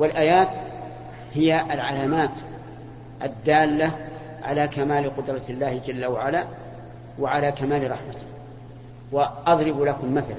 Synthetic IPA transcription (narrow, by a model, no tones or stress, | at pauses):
wɪlʔaːjaːt̪ | hɪjaʔalʕalaːmaːt̪ | ʔad̪ːaːlːa | ʕa̰lakamaːlɪqʊd̪ɾˤɑlːaːhɪd͡ʒalːawaʕalaː | waʕalaːkamaːlɪɾˤɑħmat̪ɪ̥h | waʔɑðˤɾɪblakʊmmaθal